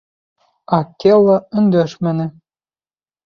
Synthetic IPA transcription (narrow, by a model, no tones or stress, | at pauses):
ɑkʲːelˠːɑ̆ɵ̆nd̪ø̆ʃmɘ̆nɘ̆